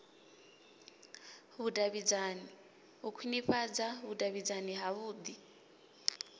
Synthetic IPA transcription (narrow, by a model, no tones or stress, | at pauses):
βudʼaβid͡zani | ukʰiniɸad͡zaβudʼaβid͡zaniɦaβuːd̪i